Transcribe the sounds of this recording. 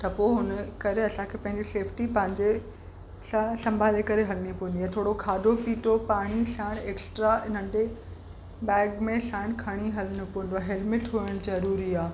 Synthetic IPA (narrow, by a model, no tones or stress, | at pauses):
t̪ɐpoːɦʊnəkɐɾeɐsãkʰeːpɐ̃ɦɪ̃ɲd͡ʑiseːfʰʈipɐ̃ɦɪ̃ɲd͡ʑe | sasɐ̃mbʱaːlekɐɾeɦɐlnipoɦɪ̃nd̪aːt̪ʰoːɽokʰaːd̪ʱopiːʈʰopaːɽ̃iɬaːɽ̃eːksʈɾaɪn̤ə̃ɳɖe | bɛːɡmẽɬãːɽ̃kʰɐɽ̃iɦɐlənopoːɪ̃n̆d̪oaːɦeːlmɪʈɦuɪɽ̃zɐɾuːɾiaː